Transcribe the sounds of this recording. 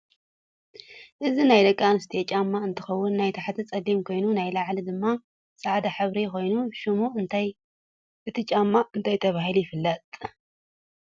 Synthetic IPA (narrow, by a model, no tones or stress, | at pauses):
ʔɨzinajlɐkʼːanɨst̪ʰiet͡ʃʼamːaɨnt̪ʰɨxɐwːʊnːajt̪ʰaħt̪ʰit͡sʼɐlimkʰo̞jnunajlaʕlid̪ɨmːa | sʼaʕd̪aħɨβɾiko̞jnuʃɨmut̪ʰaj | ɨt̪ʰɨt͡ʃʼamːaɨnt̪ʰajt̪ʰɐβaɦilujɪfɨlːɐt̪ʼ